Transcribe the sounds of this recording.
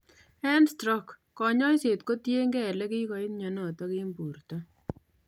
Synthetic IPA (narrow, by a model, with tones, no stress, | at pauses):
ɛ˦nstɾɔ˦kː | ɔ˨ɲɔ˦jse˨tko˦tje˦ŋɡɛ˦˨lɛ˦kɪ˦kɔ˨i˦tɲɔ˨nɔ˨tɔ˦ke˦mbu˨ɾtɔ˦